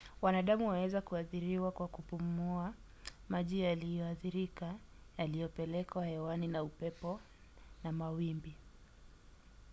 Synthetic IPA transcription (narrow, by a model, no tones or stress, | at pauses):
wanaɗamuwawɛzakuaθiɾiwakwakupumua | maʄijalijɔaθiɾika | jalijɔpɛlɛkaahɛwaninaupɛpɔ | namawimbi